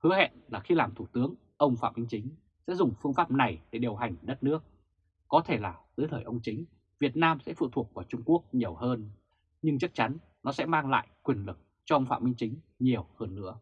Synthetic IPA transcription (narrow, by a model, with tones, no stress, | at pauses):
hɨ˨˦əhḛ˧˨nlaː˨˩xi˧laː˨˩mt̪ʰu˧˩t̪ɨ˨˦əŋ | ʔə˧wŋ͡mfa̰ː˧˨wmï˧ŋ̟t͡ɕï˨˦ŋ̟ | sɛ̰˧˥zʊ˨˩ŋ͡mfɨ˧əŋfaː˦˥p̚na˨˩jɗe˧˩ɗi˨˩əwɦa˨˩jŋ̟ɗə˦˥t̚nɨ˦˥ək̚ | kɔ˨˦t̪ʰe˧˩laː˨˩t̪ɨ˨˦jt̪ʰəː˧˩jʔə˧wŋ͡mt͡ɕï˨˦ŋ̟ | vi˨˩ət̚naː˧msɛ̰˧˥fṵ˧˨t̪ʰu˨˩ək̚vaː˧˩t͡ɕʊ˧ŋ͡mku˦˥ək̚ɲi˨˩əwhəː˧n | ɲɨ˧ŋt͡ɕa˦˥k̚t͡ɕa˨˦n | nɔ˨˦sɛ̰˧˥maː˧ŋla̰ː˧˨jkwi˨˩ənlɨ˨˩k̚ | t͡ɕɔ˧ʔə˧wŋ͡mfa̰˧˨wmï˧ŋ̟t͡ɕï˨˦ŋ̟ɲi˨˩əwhəː˧nːɨ̰˧˥ə